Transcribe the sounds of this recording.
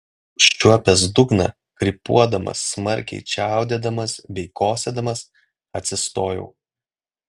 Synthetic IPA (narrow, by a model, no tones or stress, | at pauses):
ʃʲt͡ʃʲuɔpʲɛs̬d̪ʊɡnɐ̰ | kɾʲɪpṵɔd̪ɐmɐ̰sːmɐɾʲkʲɛ̰ɪt͡ʃʲæˑʊd̪ʲeːd̪ɐmɐsbʲɛɪkoːsʲɛd̪ɐmɐs | ɐt̪ʲsʲɪst̪oːjɛ̰ʊ